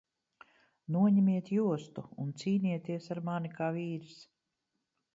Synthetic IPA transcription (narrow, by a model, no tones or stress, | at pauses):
nuɔɲɛmiɛt̪juɔst̪uunt̪siːniɛt̪iɛsaɾmanikaːviːɾis